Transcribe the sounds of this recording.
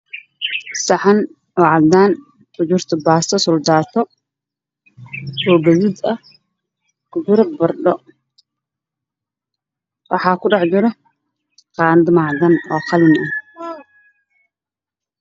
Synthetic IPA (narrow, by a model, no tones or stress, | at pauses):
sɐħan | ɔːʕɑd̪aːn | ʊd͡ʒʊrt̪ʰɐbaːsɐsʊld̪aːt̪ʰɔ | ɔːɡɐðɪd̪ɐh | kʊd͡ʒʊɾɐbɐrɗɔ | wɑħɑːkʰʊɖɑħd͡ʒɪɾɔ | qɑːnd̪ɪmaːʕd̪ɐnɔːqɑlɪnɐ